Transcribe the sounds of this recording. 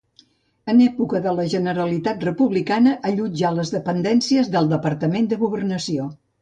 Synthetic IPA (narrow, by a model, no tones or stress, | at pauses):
ənɛpukəðələʒənəɾəlit̪at̪rəpuβlikanəʔəʎud͡ʒaləzðəpənd̪ɛnsiəzðəlˠd̪əpəɾt̪əmend̪əɣuβ̞ərnəsio